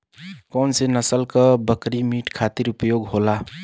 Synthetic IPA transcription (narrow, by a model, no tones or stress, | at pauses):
kɔʊnsenəsəlkəbəkɾimiʈkʰat̪iɾupjoɡɦola